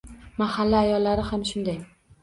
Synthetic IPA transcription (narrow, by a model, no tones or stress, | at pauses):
mahalːaːjɒlːaɾɪhamʃʊnd̪aj